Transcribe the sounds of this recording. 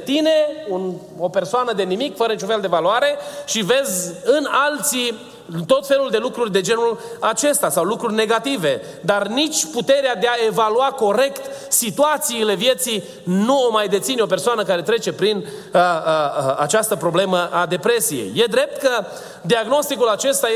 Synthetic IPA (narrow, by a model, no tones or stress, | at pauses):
t̪ine̞un | o̞pe̞rsoanəd̪e̞nimikfəɾənit͡ʃunfe̞ld̪evaluaɾe̞ʃive̞zʲɨnalt̪si | nt̪o̞t̪fe̞luld̪elukɾurʲd̪e̞d͡ʒe̞nulat͡ʃe̞st̪asawlukɾurʲne̞ɡat̪ive̞ | d̪arnit͡ʃʲput̪e̞ɾead̪eae̞valuako̞ɾe̞kt̪sit̪uat̪siːle̞vje̞t̪si | nuomajd̪e̞t̪sineo̞persoanəkaɾe̞t̪ɾe̞t͡ʃe̞pɾin | ə | a̰t͡ʃast̪əpɾo̞ble̞məʔad̪e̞pɾe̞sije̞̰jːe̞d̪ɾe̞p̚t̪kə | d̪iaɡno̞st̪ikulat͡ʃe̞st̪a